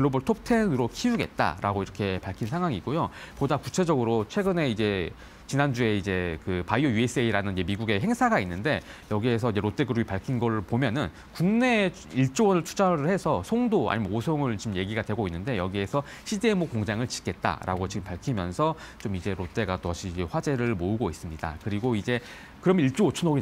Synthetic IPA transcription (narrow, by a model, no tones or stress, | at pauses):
ɯɭːoʌboɭtʰop̚tʰe̞nɯɾokʰiuɡe̞̰t̚t͈a̰ɾa̰ɡoiɾʌkʰe̞paɭkʰinsʰaŋɦwaŋiɡojopodakut͡ɕʰe̞d͡ʑʌɡɯɾot͡ɕʰwe̞ɡɯne̞id͡ʑe̞ | t͡ɕinand͡ʑue̞id͡ʑe̞kɯpaiojues͈ʰɯeiɾanɯnid͡ʑe̞miɡuɡe̞ɦe̞ŋsʰaɡainːɯnde̞jʌɡie̞sʰʌid͡ʑeɾot͈e̞ɡɯɾubipaɭkʰinɡʌɾɯɭpomjʌnɯn | kuŋne̞ | iɭt͡ɕ͈owʌnɯɭt͡ɕʰud͡ʑaɾɯɭhe̞sʰʌsʰoŋdoa̰ɲimʌosʰoŋɯɭt͡ɕimje̞ɡiɡadwe̞ɡoinːɯnde̞jʌɡie̞sʰʌ | ɕʰidemokoŋd͡ʑaŋɯɭt͡ɕi̥kʰe̞t̚t͈a̰ɾʔa̰ɡot͡ɕiɡɯmpaɭkʰimjʌnsʰʌt͡ɕomid͡ʑe̞ɾot͈e̞ɡatʌɕʰiːd͡ʑeɸwad͡ʑe̞ɾɯɭmoɯɡois͈ɯmɲida̰kɯɾiɡoid͡ʑe̞ | kɯɾʌmiɭt͡ɕ͈owot͡ɕʰunoɾi